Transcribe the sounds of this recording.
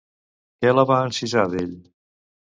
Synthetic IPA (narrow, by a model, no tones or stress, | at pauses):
kɛləβaənsizaðeʎ